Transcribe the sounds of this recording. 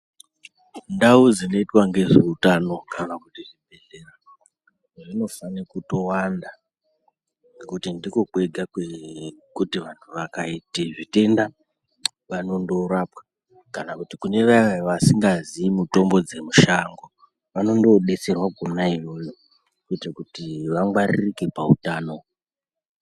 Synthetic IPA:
ndaud͡zino̞itwaŋɡe̞ʐeutano̞kanakutiribʱe̞ɮera | ʐrino̞fanikuto̞wanda | ekutindikoɓe̞ɡʱakekutiʋantʰuʋakaitiʐite̞nda | ʋano̞ndo̞ɾapwḁ | kanakutikune̞ʋaiʋajoʋasiŋɡaziːmuto̞mbo̞d͡ze̞muʃaŋɡo | ʋano̞ndo̞ɗe̞t͡se̞rwakonaijo̞jo̞ | kuitakutiʋaŋɡwaririke̞paṵtaːno̞

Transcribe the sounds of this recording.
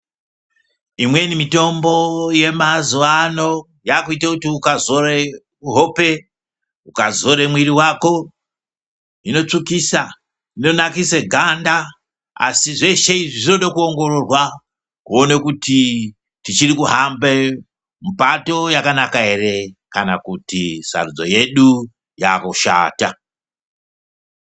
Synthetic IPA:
imwe̞nimito̞mbo̞je̞mazuʋano̞ | jaːkuitakutiukazo̞ɾe | uɦope̞ | ukazo̞ɾemwiɾiwaːko̞ | ino̞t͡ʂikiːsa | ino̞nakiseɡʱanda | a̰siʐe̞ʃe̞iʐiʐinoɗokuo̞ŋɡo̞ro̞rwa | kuonekuti | tit͡ʃirikuɦambe | mupato̞jakanakaɦe̞re̞kana̰kutisa̰rud͡zo̞̰je̞ɗu | ja̰koʃa̰ːta

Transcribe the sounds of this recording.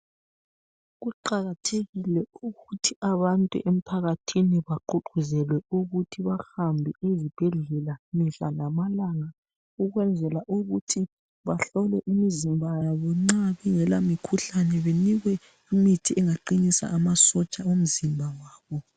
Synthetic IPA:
ɣuǃaɣatʰeɣilɛuɣutʰiaβantʼṵʔem̩pʰaɣatʰiniβaǃuǃʰuzɛlwɛuɣutʰiβaxambʱiizib̥ʱɛɮɛlamiɬalamalaŋa | uɣwɛnd͡zʱɛlaʔuɣutʰi | βaɬɔlɛʔimizimbʱajaβɔŋ͡ǀaβɛŋɛlamikʰuɬanɛβeniɣwɛ | imitʰiʔɛŋaǃinisa̰ʔːmasɔt͡ʃʼaum̩zimbʱawaːβɔ

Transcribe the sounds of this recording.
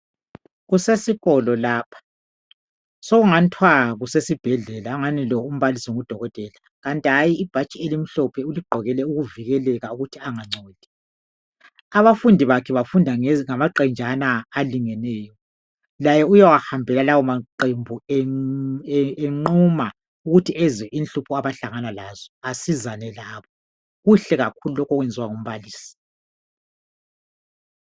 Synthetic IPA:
ɣusesiɣɔlɔlaːpʰḁ | sɔɣuŋantʰwaɣusesib̥ʱɛɮɛlaŋanilɔum̩βalisɔŋud̥ʱɔɣɔtʼɛːla | ɣantʼiajiːb̥ʱat͡ʃʼielim̩ɬɔpʰɛuliɡ͡ǃʱɔɣɛlɛuɣuviɣɛlɛɣauɣutʰiaŋaŋ͡ǀʱoːd̥ʱi̥ | aβafundʱiβakʰɛβafundʱaŋamaǃɛnd͡ʒʱanaːliŋɛnɛːjɔ | lajɛujawahambʱɛlalawɔmaǃembʱu | eŋ͡ǀuma | uɣutʰiɛzɛʔinɬupʰuaβaɬaŋanalazɔasizanɛlaːβɔ | ɣuɬɛɣakʰululɔkʰɔɣwɛnd͡zʱiwaŋum̩βaliːsi̥

